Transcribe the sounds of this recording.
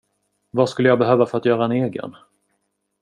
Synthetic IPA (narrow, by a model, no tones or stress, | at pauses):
vaskɵlːəjɑɡ̚bɛɦøːvafœɾat̪jœːɾaɛneːɡə̰n